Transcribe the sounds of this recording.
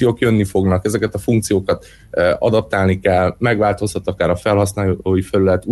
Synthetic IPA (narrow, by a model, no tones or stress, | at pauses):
ijoːkjønːifo̞ɡnɒkɛzɛkɛt̪ɒfuŋk̚t̪sijoːkɒt̪ː | ɒ̰d̪ɒp̚t̪aːlnikɛlːmɛɡvaːlt̪o̞shɒt̪ːɒkaːɾɒfɛlɦɒsnaːoːjifɛlylɛt̪ː